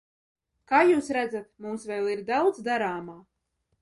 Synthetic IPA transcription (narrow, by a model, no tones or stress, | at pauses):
kaːjuːsɾæd̪zat̪̚mumsvɛːlˠiɾd̪awd̪zd̪aɾaːmaː